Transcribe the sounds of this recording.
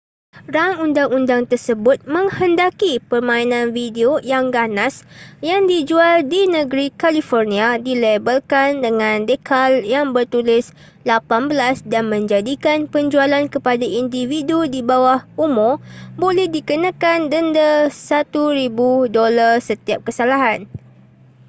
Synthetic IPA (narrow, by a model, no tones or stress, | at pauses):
raŋundaŋundaŋt̪ərsəbʊt̪̚mə̃ŋhəndakipərmãinãnvideojaŋɡanasjaŋdid͡ʒualdinəɡɾikalifɔrnĩadilebəlkandəŋãndekaljaŋbərt̪ulɪs | lapanbəlasdanmə̃ɲd͡ʒadikanpəɲd͡ʒualankəpadaʔindividudibawahumʊrbolɛhdikənãkandəndəsat̪uɾibudolarsət̪iap̚kəsalaɦan